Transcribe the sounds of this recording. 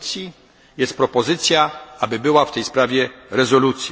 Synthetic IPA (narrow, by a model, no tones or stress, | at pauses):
t̪sʲji | jɛst̪̚pɾɔpɔzɘt̪sʲjaabɘbɘwaft̪ɛjspɾavʲjɛɾɛzɔlut̪sʲj